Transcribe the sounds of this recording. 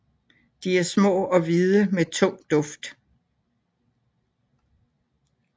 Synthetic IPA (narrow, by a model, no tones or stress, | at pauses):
d̥iæɐsmɔ̰̽ːɒ̽ʋiðˠəmet͡sʰɔ̽ŋ̰d̥ɔ̽fd̥